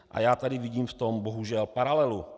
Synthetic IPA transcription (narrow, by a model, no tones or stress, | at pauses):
ʔa̰jaːt̪adɪvɪɟiːmft̪omboɦuʒɛlpaɾalɛlu